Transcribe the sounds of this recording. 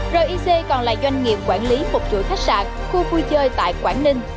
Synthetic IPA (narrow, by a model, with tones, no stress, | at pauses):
zə˨˩ʔi˧se˧kɔ˨˩nla̰ː˧˨zwa˧jŋ̟ŋḭ˧˨əp̚kwaː˧˩nli˨˦fʊ˨˩k͡p̚t͡ɕṵ˧˨t̪ʰk̚sa̰ː˧˨˩k̚xu˧fu˧jt͡ɕəː˧jt̪a̰ː˧˨jkwaː˧˩nnï˧ŋ̟